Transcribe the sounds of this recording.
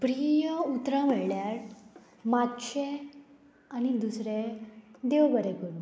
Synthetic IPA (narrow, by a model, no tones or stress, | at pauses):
pɾijəut̪ɾãmeɭɭjaɾ | mat̪ɕe | anid̪usɾed̪eʋbəɾekun